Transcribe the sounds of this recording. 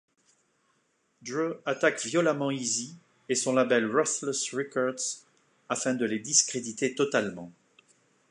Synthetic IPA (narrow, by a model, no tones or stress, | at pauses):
d̪ʁøat̪akvjɔlamɑ̃izi | esɔ̃labɛlʁɔsləsʁikɔʁd̪z̥ | afɛ̃d̪əled̪iskχed̪it̪et̪ɔt̪almɑ̃